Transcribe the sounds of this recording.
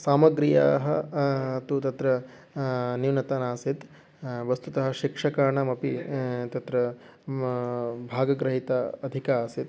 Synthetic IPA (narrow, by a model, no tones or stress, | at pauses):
saːmɐɡɾija̰ːɦɐɐt̪ut̪ɐt̪ɾɐ | niwnɐt̪aːnaːsit̪ | ʋɐst̪ut̪ɐɦɐʃikʂɐkaːɳɐmɐpit̪ɐt̪ɾɐ | bʱaːɡɐɡɾɐɦit̪aɐd̪ʱikaːsit̪